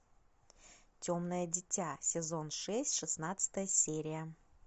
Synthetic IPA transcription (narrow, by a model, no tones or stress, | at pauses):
tʲomnəjədʲɪtʲasʲɪzo̞nʂɛsʲtʲʂɨsnat̪sɨ̥t̪əjəsʲeɾʲɪjə